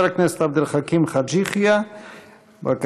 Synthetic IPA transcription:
ɾaknest̪ab̚d̪əlχakʰimχad͡ʒiχja | ba̰k

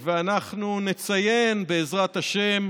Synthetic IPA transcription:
veanaχnunet͡saje̞nbe̞ːzʁat̪aʃe̞m

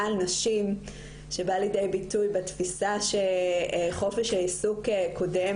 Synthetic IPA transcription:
lnaʃim | ʃebalidejbitujbetfisaʃeχo̞feʃheisukekʰo̞de

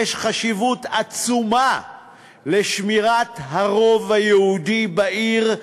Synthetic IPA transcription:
eʃχaʃivut̪at͡suma | leʃmiʁatɦaʁo̞vhajehud̪ibaʔiʁ

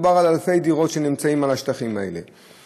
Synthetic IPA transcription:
baʁalalfe̞jd̪iʁo̞tʃe̞nimt͡saimalaʃt̪aχimae̞̰le̞̰

